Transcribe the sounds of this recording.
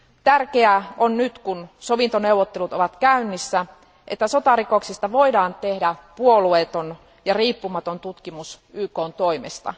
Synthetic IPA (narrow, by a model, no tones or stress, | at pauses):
t̪ærkeæonnyt̪kunso̞ʋint̪one̞uwʋːot̪ːelut̪o̰ʋɑt̪kæynːisːæ | ʔḛt̪ːæso̞t̪ɑɾiko̞ksist̪ɑʋo̞idɑːnt̪e̞hdæpuoluet̪on | jɑriːpːumɑt̪ont̪ut̪kimus | yːkoːnt̪oimḛst̪ɑ̰